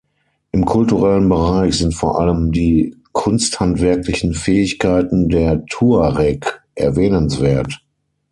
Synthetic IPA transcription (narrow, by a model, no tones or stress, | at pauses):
ʔɪmkʰʊltuʁɛlənbəʁaɪçz̥ɪntfoːɐʔaləmdiː | kʰʊnsthantv̥ɛɐklɪçn̩fɛːɪçkʰaɪtn̩deːɐtʰuːaʁɛkʔɛ̰ɐvɛːnənsv̥eːɐt